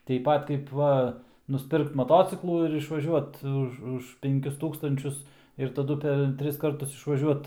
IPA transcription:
tʲɛɪp ˈpɐt kɐɪp ˈʋɐ nʊsʲˈpʲɪrkt mɐˈtoːt͡sʲɪklˠuː ɪr ɪʃʋɐˈʒʲuɔt ˈʊʃ ʊʃ ˈpʲɛŋʲˈkʲʊs ˈtuːkstɐnʲt͡ʃʲʊs ɪr tɐˈdʊ pʲɛr ˈtʲrʲɪs ˈkɐrtʊs ɪʃʋɐˈʒʲuɔt

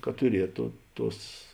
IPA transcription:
kɐt tʊˈrʲiɛtoː ˈtuɔs

